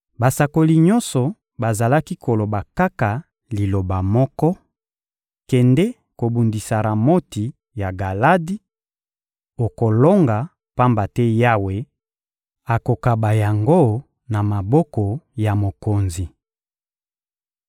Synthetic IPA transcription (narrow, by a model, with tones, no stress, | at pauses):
ba˨sa˨ko˨li˨ɲɔ˦nsɔ˨ | ba˨za˨la˦ki˦kʰo˨lo˨ba˨ka˦ka˨ | li˨lo˨ba˨mɔ˦kɔ˦ | kɛ˨ndɛ˦ | ko˨bu˨ndi˨sa˨ɾa˨mo˦ti˨ | ja˨ɡa˨la˦di˦ | o˨ko˨lo˦ŋɡa˨ | pa˦mba˨tɛ˦ja˦we˨ | a˨ko˨ka˨ba˨ja˨ŋɡo˦ | na˨ma˨bɔ˦kɔ˨ja˨mo˨ko˨nzi˨